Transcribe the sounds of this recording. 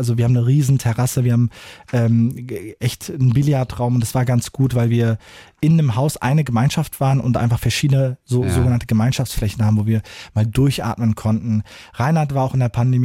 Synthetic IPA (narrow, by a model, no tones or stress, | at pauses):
ʔalzoviːɐhaːmnəʁiːzn̩tʰɛʁasəviːɐhaːbmʔɛːmʔɛçtnbiljaːɐtʁ̥aʊmʊntd̥asv̥aːɐɡant͡sɡ̥uːtv̥aɪlviːɐʔɪndemɦaʊsʔa̰ɪnəɡəmaɪnʃaftv̥aːʁənʊ̰ntʔa̰ɪnfaχfɛɐʃiːdənəzoːzoːɡənantəɡəmaɪnʃaft͡sflɛçn̩haːbm̩voːviːɐmaːldʊɐçʔa̰ːtmənkʰɔntn̩ʁaɪnhatv̥aːɐaʊɪndeːɐpʰandemː